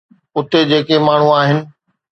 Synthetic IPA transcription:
ʊt̪ed͡ʑeːkemaːɳ̤ũaːɦɪnɪ̆

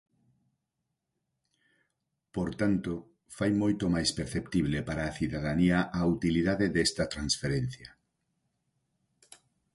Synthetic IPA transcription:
poɾt̪ant̪o | fajmojt̪omajspeɾθept̪iβlepaɾaːθiðaðaniɐʔaut̪iliðaðeðɛst̪ɐt̪ɾansfeɾen̟θjɐ

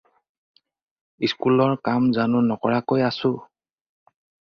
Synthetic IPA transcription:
iskulɔɹkamzanʊnɔkɔɹakojasʊ

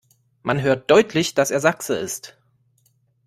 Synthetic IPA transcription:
manɦøːɐt̚d̥ɔʏtʰlɪçd̥aseːɐzaksəɪ̰st

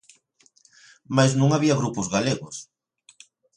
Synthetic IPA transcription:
majz̬nũŋaβiaɣɾupozɣaleɣos

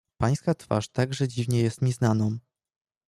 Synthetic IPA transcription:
paj̃skat̪fa̰ʂt̪aɡʐɛd͡ʑivɲɛjɛst̪ɲʲɛznanɔ̃

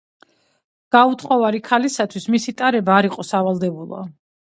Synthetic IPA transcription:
ɡ̥aut̪ʰχɔvaɾikʰalisat̪ʰwismisit̪ʼaɾɛbaːɾiqʼɔsavalˠd̪ɛbulˠɔ̰

